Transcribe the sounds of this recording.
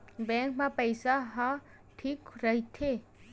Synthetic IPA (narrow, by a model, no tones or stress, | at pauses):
bɛ̃ːŋkmãpəjsaɦã | ʈʰiːkɾəɦit̪ʰe